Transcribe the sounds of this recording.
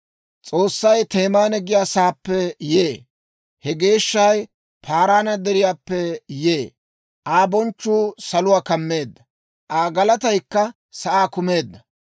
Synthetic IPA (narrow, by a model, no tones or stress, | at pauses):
t͡sʼo̞ːsːɐjt̪e̞ːmaːnɛɡɪjaːsaːpːɛjeː | hɛɡe̞ːʃːɐj | pʰaːɾaːnɐd̪ɛɾɪjaːpːɛjeː | ʔaːbɔnt͡ʃːuːsɐlʊwaːkɐmːe̞ːd̪ːɐ | ʔaːɡɐlɐt̪ɐjkːɐ | sɐʔaːkʊme̞ːd̪ːɐ